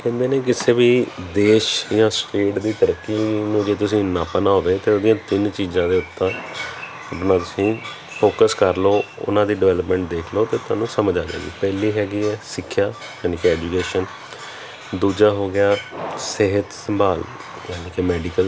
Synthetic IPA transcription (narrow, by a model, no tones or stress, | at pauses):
kɛ̃ːnd̪eːneːk̬ɪseːbiːd̪eːʃjãːsʈeːʈd̪iːt̪əɾəkːinũːd͡ʒeːt̪ʊsĩːnaːpənaːod̪eːt̪eːoːd̪ijãːt̪ɪnt͡ʃiːzãːd̪eːʊt̪ːãː | əpnãːt̪ʊsĩː | pʰoːkəskəɾloːʊ̰nãːd̪iːɖɪʋɛːləpmɛ̃ːɳʈ̚d̪eːkʰloːt̪eːt̪ʊaːnũːsəməd͡ʒaːd͡ʒa̰ːɡḭːpɛːliːɦɛːɡiːɛːsɪkʰːjaː | jaːniːkɛːd͡ʒuːkeːʃən | d̪uːd͡ʒaːɦoːɡɪjaːseɦət̪səmbaːl | jaːniːkemɛːɖiːkəl